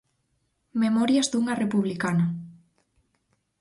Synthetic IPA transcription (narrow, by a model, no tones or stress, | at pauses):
memɔɾjazðuŋɐrepuβlikana